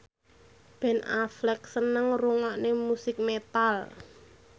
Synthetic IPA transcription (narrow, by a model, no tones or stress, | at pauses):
b̥ɛ̤na̰flɛk̚sənəŋruŋɔʔnemusɪk̚met̪al